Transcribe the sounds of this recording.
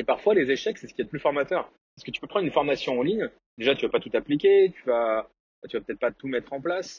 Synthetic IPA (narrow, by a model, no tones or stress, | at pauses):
epaʁfwalezeʃɛksɛsə̥kʲiɛd̪əplyfɔʁmat̪œʁ | pasə̥kət̪y̥pøpʰχɑnʁynfɔʁmasjɔ̃ɑ̃liɲ | d̪eʒat̪yvapat̪ut̪aplikʲet̪yva | bat̪yvapø̥t̪ɛt̪χpat̪umɛt̪χɑ̃plas